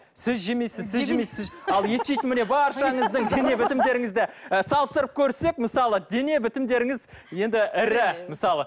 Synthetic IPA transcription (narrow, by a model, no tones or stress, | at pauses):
sɪzʒemejsɪzsɪzʒemesɪzɑlˠje̞t̪ʃejt̪ɪnmɪne̞bɑɾʃɑɴəzd̪əɴd̪e̞ne̞bɪt̪ɪmd̪e̞ɾɪŋɪzd̪ɪsɑlˠəst̪əɾəp̚kʲʰɵɾse̞k̚məsɑlˠəd̪e̞ne̞bɪt̪ɪmd̪e̞ɾɪŋɪz | je̞nd̪ɪʔɪɾɪmɪsɑlˠə